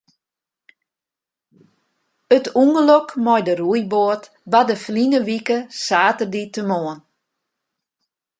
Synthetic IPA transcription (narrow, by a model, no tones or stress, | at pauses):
ətuŋɡəlokmɔjdərujboət | badəflinəʋikəsaːtərditəmoən